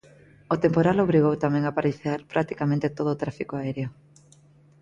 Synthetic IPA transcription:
ot̪empoɾaloβɾiɣowt̪amẽŋapaɾiθaɾpɾʔakt̪i̥kamẽnt̪et̪oð̞oːt̪ɾafikoaɛɾeo

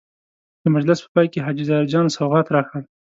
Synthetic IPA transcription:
d̪̥əmʊd͡ʒlɪspə̥pɑjkeɦɑd͡ʒizɑɪɾd͡ʒɑnsawɣɑt̪ɾɑxəl

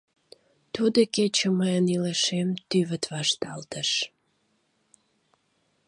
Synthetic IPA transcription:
t̪ud̪əket͡ɕəməjənileʃemt̪yβət̪βɑʃt̪ɑlt̪əʃ

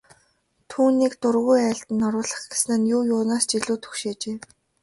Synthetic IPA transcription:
t̪ʰuːniːkt̪ʊrɣujæːɬt̪ɘ̆nːɔɾʊːɮə̆χɡ̥esnɘ̆njʊːjʊːnaːst͡ɕiɮuːt̪ʰɵ̥xʃeːt͡ɕeː

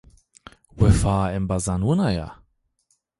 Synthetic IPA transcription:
wɛfaːɛmbazanwʊnaja̰

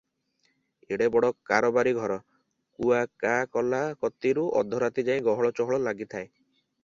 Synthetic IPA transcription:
eɽebɔɽɔkːaɾɔbaɾiɡʱɔɾɔ | kuakakɔlakɔt̪iɾuʔɔ̰d̪ʱɔɾat̪id͡ʒaj̃ĩɡɔɦɔɭɔt͡ʃɔɦɔɭɔlaɡit̪ʰae

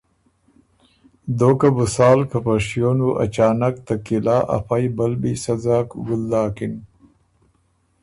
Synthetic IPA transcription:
d̪oːkabusɑːlkapaʂjonuʔa̰t͡ʃaːnak̚t̪akilaːʔa̰fajbalbisazaːkɡuld̪aːkin

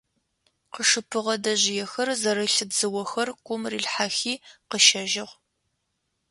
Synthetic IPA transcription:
qəʂɨpʰɨʁɐdɐʑɪjɛxɐrzɐɾɐɬɨbzɨwɐxɐrkʷʼʊmriːɮħaːxiːqəʃɐʒɪʁʷ

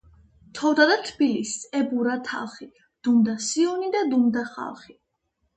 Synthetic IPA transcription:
t̪ʰɔvd̪ad̪at̪ʰb̥ilisɛbuɾat̪ʰa̰lˠχi | d̪̥umd̪asiɔnid̪ad̪umd̪aχa̰lˠχi

